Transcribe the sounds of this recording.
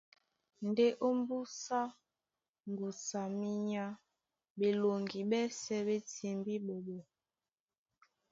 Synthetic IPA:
n˨de˦ʔo˦mbu˦sa˦ | m˨bu˨sa˨mi˦ɲa˦ | ɓe˨lo˨ŋɡi˨ɓɛ˦sɛ˦ɓe˦ti˨mbi˦ɓo˨ɓo˨

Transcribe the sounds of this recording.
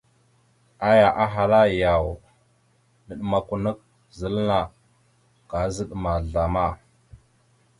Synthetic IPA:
a˦ja˨ʔa˦ɦa˨la˦ja˨w | nə˨ɗma˨ku˨nə˦k̚ | zə˨˦lna˨ | ka˨˦zə˦ɗma˨ɮa˨ma˦˨

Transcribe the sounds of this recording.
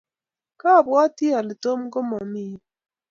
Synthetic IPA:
ka˦˨bwɔ˦ti˦a˨lɪ˨to˦mɡo˦mɔ˨mi˦

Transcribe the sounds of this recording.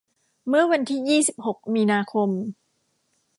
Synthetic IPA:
mɯ˥˩ɐwa˧nt̪ʰiː˥˩jiː˥˩si˨˩p̚ho˨˩k̚miː˧naː˧kʰo˧m

